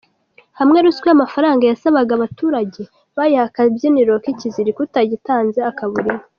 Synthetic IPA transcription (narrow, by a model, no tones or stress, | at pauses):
hamŋe̞ɾuskweamafaɾaːŋɡajasaβaɡaβatuːɾaɟe̞ | βajihakabɟeniɾo̞kiciziɾikutaɟitaːnze̞akaβuɾima